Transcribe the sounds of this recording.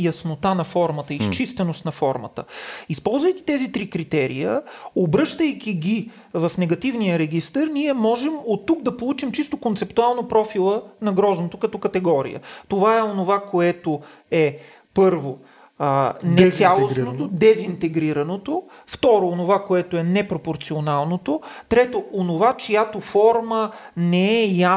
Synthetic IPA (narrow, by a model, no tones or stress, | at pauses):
jɐsnot̪anɐfɔɾmət̪əist͡ʃist̪ɛnost̪nɐfɔɾmə̰t̪əispɔlˠzvəjk̟ʲi̥t̪ɛzit̪ɾikɾit̪ɛɾḭjə̰obɾɤʃt̪əjkʲiɡʲi | vɐfnɛɡɐt̪ivnijəɾɛɡʲist̪əɾniɛmɔʒɛmot̪ːuɡ̚d̪ɐpolˠut͡ʃimt͡ʃist̪okont̪sɛpt̪ualˠnopɾɔfilˠənɐɡɾɔznot̪okɐt̪ɔkɐt̪ɛɡɔɾḭjə̰t̪ovaɛonovakoɛt̪o | ɛ | pɤɾvo | nɛsjalˠosnot̪od̪ɛzint̪ɛɡɾiɾɐnot̪o | ft̪ɔɾoːnovakoɛt̪oɛnɛpɾopoɾt̪sionalˠnot̪ot̪ɾɛt̪oonovat͡ʃijat̪ofɔɾmənɛɛja